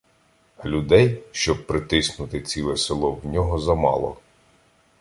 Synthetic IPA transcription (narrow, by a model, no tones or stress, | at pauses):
lʲud̪ɛjʃt͡ʃɔb̚pɾɪt̪ɪsnʊt̪ɪt͡sʲilˠɛsɪlˠɔwnʲɔɦɔzɐmɑ̰lˠɔ̰